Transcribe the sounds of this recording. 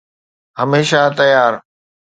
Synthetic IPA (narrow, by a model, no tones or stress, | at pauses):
ɦəmeːʃat̪ɐjaːɾ